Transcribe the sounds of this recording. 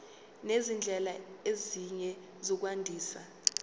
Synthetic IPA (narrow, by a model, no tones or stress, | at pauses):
nezind͡ɮʱɛlaeziɲɛ | zɔk̬wandʱiːsa